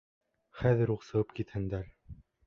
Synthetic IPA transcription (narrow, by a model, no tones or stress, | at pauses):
χæðɘ̆ɾuqsɤ̆ʁɤp̚kit̪hɘ̆nd̪æɾ